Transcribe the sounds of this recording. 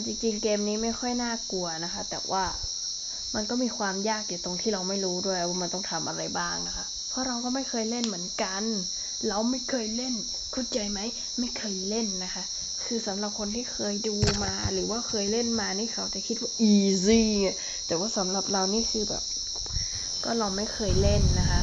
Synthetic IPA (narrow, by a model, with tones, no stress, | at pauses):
nt͡ɕi˧ŋt͡ɕi˧ŋkeː˧mniː˦˥ma˥˩jxʰɔ˥˩jnaː˥˩ku˧ɐna˦˧xʰa˦˥t̪ɛ̰ː˨˩wʔaː˧˥˩ | ma˧nkɔː˥˩˨miː˧kʰwaː˧mjaː˥˩k̚di˨˩t̪o˧ŋt̪ʰiː˥˩ɾa˧wma˥˩jɾuː˦˥du˥˩əja˧˩waː˧˩ma˧nt̪ɔ˥˩ŋt̪ʰa˧mʔa̰˧ɾa˧jbaː˥˩ŋna˦kʰa˦˥ʔ | pʰɔ˦˥ɾa˧wkɔː˥˨ma˥˩jkʰɤː˧jle˥˩˨nmɯ˩˦ə˦nka˧n | la˧wma˥˩jkʰɤː˧jle˥˩n | kʰu˧˥˨nt͡ɕa˧jma˦˥j | ma˥˩jkʰɤː˧jle˥˩nːa˦˥kʰa˦˥ʔ | kʰɯː˧sa˨˦mla˧p̚kʰo˧nt̪ʰiː˥˩kʰɤː˧jduː˧maː˧ɾɯː˨˦waː˥˩kʰɤː˧jle˥˩nmaː˧niː˥˩kʰa˧˩wt͡ɕa˨˩kʰi˦˥t̪̚waː˥˩ʔiː˧siː˧a˧˩ | t̪ɛː˨˩waː˥˩sa˨˦mla˧˩p̚ɾa˧wniː˥˩˨kʰɯː˧bɛ̰ː˨˩p̚ | kɔː˥˩ɾa˧wma˥˩jkʰɤː˧jle˥˩nːa˦˧kʰa˦˥